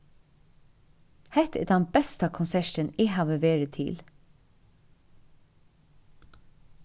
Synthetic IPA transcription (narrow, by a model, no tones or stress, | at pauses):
hɛt̪ḛd̪ɛnbɛst̪ɑkʰʊnsæʃənɪhɑʋəʋeːɹət̪ʰɪ̰l